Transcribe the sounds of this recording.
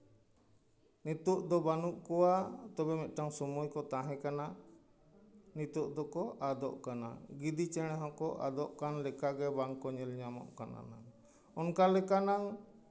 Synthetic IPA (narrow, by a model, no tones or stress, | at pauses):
nit̪uʔd̪ɔbanuʔkɔwat̪ɔbɛmɛt̪̚ˀʈaŋsɔmujkɔt̪ãɦɛ̃kana | nit̪uʔd̪ɔkɔʔad̪ɔʔkana̰ɡid̪it͡ʃɛɽ̃ɛɦɔ̃kɔʔad̪ɔʔkanlɛkaɡɛbaŋkɔɲɛlɲamɔ̰ʔkana̰na | ɔnkalɛkanaŋ